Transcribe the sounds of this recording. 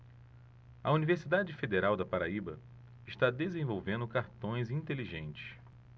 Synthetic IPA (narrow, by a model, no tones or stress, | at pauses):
ɐuniveɾsid̪ad͡ʒɪfed̪eɾawd̪ɐpaɾaibɐ | ɪʃt̪ad̪ezẽvowvẽnd̪ʊkaɾt̪õj̃zĩnt̪eliʒẽnt͡ʃɪ̥s